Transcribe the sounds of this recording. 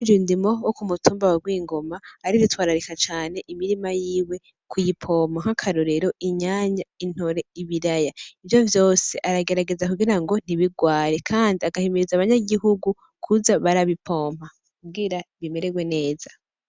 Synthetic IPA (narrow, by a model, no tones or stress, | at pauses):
d͡ʒindimo̞wokumutuːmbawaɡwiːŋɡo̞maːɾiɾitwaːɾaɾikat͡ʃaːne̞ʔimiɾimajiːwe̞ | kʰujipʰo̞ːm̥aŋ̥akʰaɾoɾe̞ɾo̞ʔiɲaːɲain̥hoɾe̞iβiɾajaivjo̞vjo̞ːseʔaɾaɡe̞ɾaɡe̞zakuɡiɾaŋɡo̞n̥iβiɡwaːɾe̞kʰaːndiaɡahimiɾizaβaɲaɡiɦuɡu | kʰuzaβaɾaβipʰo̞ːm̥ha | kuɡiɾaβime̞ɾeɡwe̞ne̞ːza